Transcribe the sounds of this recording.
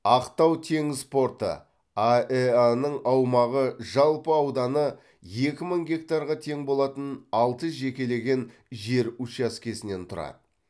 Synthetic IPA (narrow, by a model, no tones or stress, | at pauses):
ɑqt̪ɑwt̪ʰe̞ŋspo̞ɾt̪ə̰ | aeanəɴɑwmɑʁəʒɑlˠpəɑwd̪ɑnə | je̞kʲɪməɴɡʲe̞kt̪aɾʁɑt̪ʰe̞ŋbo̞lˠɑt̪ənɑlˠt̪əʒe̞kʲe̞le̞ɡʲe̞nʒe̞ɾut͡ʃɑskʲe̞sɪne̞nt̪ʰʊɾɑ̰d̪ə